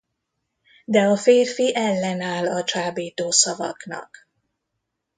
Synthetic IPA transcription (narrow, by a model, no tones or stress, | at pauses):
d̪ɛɒfeːrfiʔɛlːɛnaːlɒt͡ʃaːbiːt̪oːsɒvɒ̰knɒ̰k